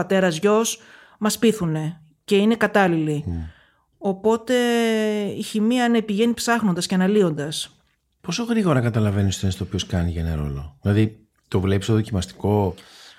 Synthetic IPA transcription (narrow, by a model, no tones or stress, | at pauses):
ɐt̪e̞ɾɐzʝo̞s | mɐspiθune̞ | ce̞ine̞kɐt̪ɐlili | o̞po̞t̪e̞ | içimiɐnepiʝe̞nipsɐxnond̪ɐsce̞ɐnɐlio̞nd̪ɐs | po̞so̞ɣɾiɣo̞ɾɐkɐt̪ɐlɐve̞nist̪oenst̪opioskɐniʝɐenɐɾo̞̰lo̞ðilɐði | t̪o̞vle̞pist̪oðo̞cimɐst̪i̥ko̞